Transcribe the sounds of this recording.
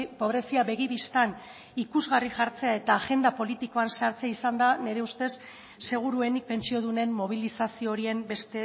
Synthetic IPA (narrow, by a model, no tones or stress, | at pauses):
po̞βɾe̞siaβe̞ɣ̞iβist̪an | ikuzɣariʝaɾt͡se̞ae̞t̪aːʝe̞nd̪apo̞lit̪iko̞ansaɾt͡seaisand̪ane̞ɾe̞ust̪e̞sː | e̞ɣ̞uɾue̞nik̚pe̞nt͡sio̞ð̞une̞mmo̞β̞ilisasio̞ːɾie̞mbe̞st̪e